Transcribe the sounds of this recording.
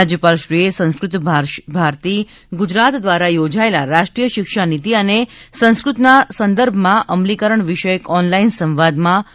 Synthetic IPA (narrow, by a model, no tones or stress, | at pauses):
ad͡ʒjəpalʃɾiesə̃w̃skɾʊt̪bbʱaɾt̪i | ɡʊd͡ʒɾat̪d̪ʋaɾajod͡ʒaelaɾaʃʈɾijəʃɪkʃanit̪iənesə̃w̃skɾʊt̪nasənd̪əɾbʱmãʔəmlikəɾəɳʋiʃəjekɔnlainsə̃ʋad̪mã